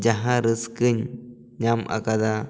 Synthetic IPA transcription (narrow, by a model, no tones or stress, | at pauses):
d͡ʒaɦãɾɯskɯɲː | amʔa̰kad̪a